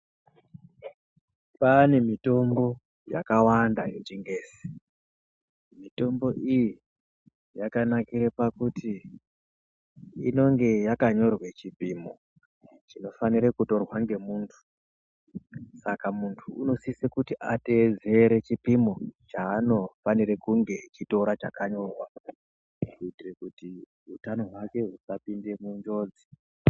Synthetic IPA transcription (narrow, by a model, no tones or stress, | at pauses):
pane̞mito̞mbo̞ | ja̰kawandait͡ʃiŋɡeːsi̥ | mito̞mbo̞ʔiji | jakanakiɾepakuti | ino̞ŋɡe̞jakaɲo̞rwe̞t͡ʃipimo̰ | t͡ʃino̞faniɾekuto̞rwaŋɡe̞muːntʰu̥ | sakamuntʰuːno̞sisekutiʔate̞d͡ze̞ɾe̞t͡ʃipimo̞t͡ʃaːno̞fanirekuŋɡe̞t͡ʃito̞ɾat͡ʃakaɲo̞rwa | utirekuti | ɦutano̞ɦwake̞ɦusapinde̞muɲd͡ʒo̞ːd͡zi̥